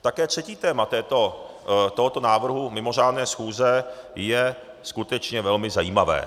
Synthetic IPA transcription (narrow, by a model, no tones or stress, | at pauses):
t̪akɛːt̪r̥ɛciːt̪ɛːmat̪ɛːt̪o | t̪oɦot̪o̞naːvr̩ɦumɪmo̞r̝aːdnɛːsxuːzɛjɛ | skut̪ɛt͡ʃɲɛvɛlmɪzajiːmavɛ̰ː